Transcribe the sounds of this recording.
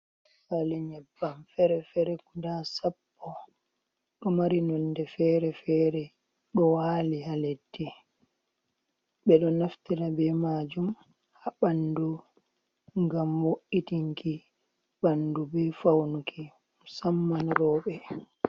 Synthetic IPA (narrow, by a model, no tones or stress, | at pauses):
falɛɲɛbːamfɛɾɛfɛɾɛkudasapːɔ | ɗɔmaɾinɔndɛfɛːɾɛfɛːɾɛ | ɗɔwaːlihaledːi | ɓɛɗɔnaftiɾabɛmaːd͡ʒum | haɓandu | ŋɡamwoʔitiŋki | ɓandubɛfawnukʰi | musamːanɾɔːɓɛ